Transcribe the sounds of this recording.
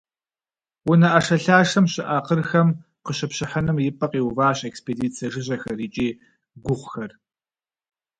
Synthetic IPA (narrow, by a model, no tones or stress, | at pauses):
wʊnɐʔɐʂɐɬaːʂɐmɕɪʔaːqərxɐm | qəɕɐpɕɪħanɨmjɪpʼɐqiːwvaːɕekspeːdiːt͡sʰijɐʒɨʑɐxɐɾiːt͡ʃʼiː | ɡʷʊʁʷxɐr